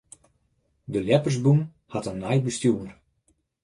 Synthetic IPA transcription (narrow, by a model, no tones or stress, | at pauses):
dəljɛpərszbum | hɑtənːajbəstjuːər